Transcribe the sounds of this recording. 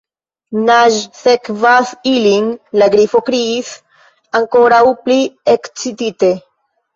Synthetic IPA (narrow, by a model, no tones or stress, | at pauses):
naʒsekvasiliŋlaɡɾifo̞kɾiːs | aŋko̞ɾawpliekt͡sitite̞